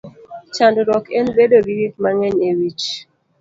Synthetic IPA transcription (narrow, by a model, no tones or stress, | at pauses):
t͡ʃandɾɔkenbedoɡiɾik̚maŋɛɲewit͡ʃ